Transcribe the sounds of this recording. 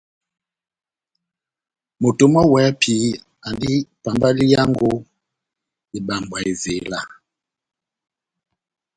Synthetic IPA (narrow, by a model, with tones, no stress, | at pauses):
mo˨to˨ma˦wɛ˨˦pʰi˨˦ | a˨ndi˦pa˨mba˦li˦ja˦ŋɡo˦ | i˨ɓa˨mbwa˨e˨ze˨la˦˨